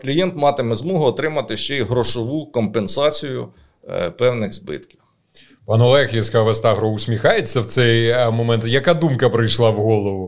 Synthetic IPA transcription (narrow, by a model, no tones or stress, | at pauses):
klʲijɛnt̪mɑt̪ɪmɛzmɔɦʊːt̪ɾɪmɐt̪ɪʃt͡ʃɛiɦɾɔʃɔʋukɔmpensɑt͡sʲijʊ̰ | pɛwnɪɣzbɪ̰t̪kʲiw | pɑnɔlˠɛxjiskaʋɐst̪aɦɾɔʊsʲmʲixɑjet͡sʲːɐwt̪sɛjmɔmɛnt̪jɐkad̪umkɐpɾɪjʃlˠɑwɦɔlˠɔʋʊ